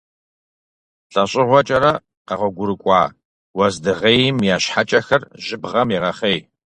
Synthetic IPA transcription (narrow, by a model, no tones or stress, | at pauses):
ɬʼɐɕʼɪʁʷɔt͡ʃʼɐɾɐ | qɐʁʷɐɡʷʊɾɨkʷʼɑ̰ː | wɐzdɨʁeːjɪmjaːɕħat͡ʃʼɐxɐrʒɪbʁɐmiʁɐχej